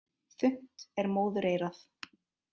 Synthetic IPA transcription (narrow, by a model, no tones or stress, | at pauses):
θʏn̥t̪ɛɾmoːwðʏɾejɾaθ